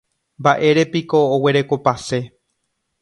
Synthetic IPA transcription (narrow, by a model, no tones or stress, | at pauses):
mbaʔe̞ɾe̞piko̞ːwe̞ɾe̞ko̞pase̞